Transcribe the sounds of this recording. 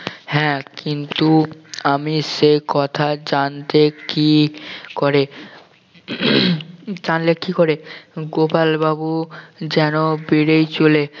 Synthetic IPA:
hɛ̃kint̪uamiʃekɔt̪ʰad͡ʑant̪ekikɔɾe | d͡ʑanlekikoɾeɡopalbabud͡ʑɛnobiɾejt͡ɕole

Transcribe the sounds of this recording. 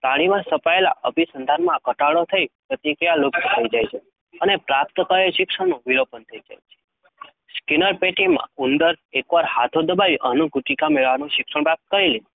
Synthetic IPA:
t̪aɽ̃imãsəpaela̰ʔəbʱisənd̪ʱanmãkəʈaɭot̪ʰəipɾət̪ikɾijalok̪t̪ʰəid͡ʒajt͡ʃʰe | ənepɾap̚t̪əkaeʃɪksəɳnũʋilopənt̪ʰəid͡ʒa̰jt͡ʃʰe̥ | skinəɾpeʈimã̰und̪əɾekʋaɾhat̪ʰod̪əbaʋiʔənuɡʱuʈikameɭʋanũʃɪkʂəɳpɾap̚t̪̚kəɾili

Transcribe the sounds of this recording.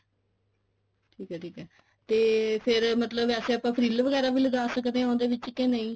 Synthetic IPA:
ʈʰiːkɛːʈʰiːkɛː | t̪eːpʰɪɾmət̪ləbɛːseːəpːãːpʰəɾiːlʋəɡɛːɾaːbʱiːləɡaːsəkd̪eɦɛ̃õd̪eːʋɪt͡ʃkɛ̃ːnə̃ĩː

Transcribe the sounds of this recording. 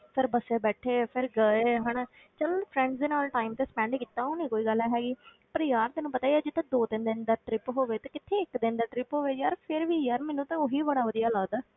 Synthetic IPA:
pʰɪɾbəseːbɛːʈʰeːpʰɪɾɡəeːɦəɳː | t͡ʃəlpʰɾɛ̃ːɳɖsd̪eːnaːlʈaːɪmt̪eːspɛ̃ːɳɖkiːt̪ːaːoːnĩːkoːiːɡəlɛːɦɛːɡiː | pəɾjaːɾd̪enũːpət̪aːiɛd͡ʒɪt̪ʰːãːd̪oːt̪ɪnd̪ɪnd̪aːʈɾɪpɦoːʋeːt̪aːkɪt̪ʰːeːɪkd̪ɪnd̪aːʈɾɪpɦoːʋeːjaːɾpʰɪɾʋiːjaːɾmɛːnũːt̪ãoɦiːbəɽaːʋəd̪ijaːlaːd̪aː

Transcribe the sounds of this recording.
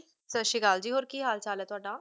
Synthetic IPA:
səʃiɡaːld͡ʒiːɦoːɾkiːɦaːlt͡ʃaːlɛːt̪ʊaːɖaː

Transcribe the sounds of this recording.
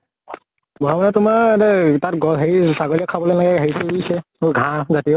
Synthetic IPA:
bɔɦamanɛtʊmanɛtatɡɔɦeɹisaɡɔɹiakʰabɔlejnaɡɛɦeɹipouisɛmoɡʱãzatijo

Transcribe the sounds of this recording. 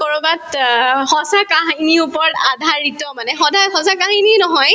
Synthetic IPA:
kɔɹubathɔsakaɦiniupɔɹɔtadʱaɹitɔmanɛxɔdʱaxɔsakaɦininɔɦɔj

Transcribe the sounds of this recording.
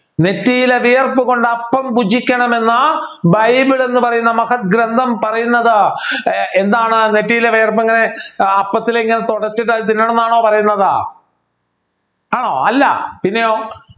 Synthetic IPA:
ne̞tːijileʋijɐrpɨɣo̞ɳɖɐpːɐmpud͡ʑikʲːɐɳɐme̞nːɐbɐjbiɭe̞nːɨpɐrɐjunːɐmɐhɐt̪̚ɡɾɐnd̪ʱɐmpɐrɐjunːɐðɨ | end̪aːɳɨne̞tːijileʋijɐrpeŋːɐne̞ɐpːɐt̪ːileŋːɐnet̪oɽɐrt͡ɕːiʈ̬ːat̪inːoːenːaːɳo̞ːpɐrɐjunːɐða̰ː | aːɳo̰ːɐlːɐ̰pinːejoː

